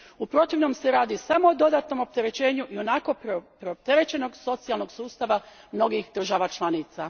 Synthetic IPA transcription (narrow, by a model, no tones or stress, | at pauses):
upɾo̞t̪iʋno̞mseɾaːd̪isamo̞od̪o̞d̪aːt̪no̞mo̞p̚t̪e̞ɾe̞t͡ɕe̞ːɲuʔio̞nako̞pɾeop̚t̪e̞ɾe̞t͡ɕe̞no̞ɡso̞t̪sijalno̞ɡsuːst̪aʋamno̞ɡixd̪r̩ʒaʋat͡ʃlˠaniːt̪sa